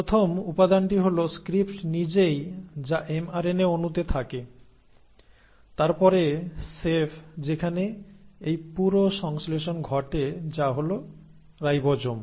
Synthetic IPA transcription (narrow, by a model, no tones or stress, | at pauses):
pɾot̪ʰomupad̪anʈiɦoloskɾipʈnid͡ʑejd͡ʑaʔemaɾeneonut̪et̪ʰake | t̪aɾpɔɾesefʰd͡ʑekʰaneejpuɾoʃɔŋsleʃonɡʱɔʈed͡ʑaɦolo | ɾajbɔd͡ʑom